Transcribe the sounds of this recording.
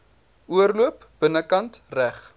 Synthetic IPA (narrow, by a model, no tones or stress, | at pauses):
uərluəp | b̥ənəkɐntræχ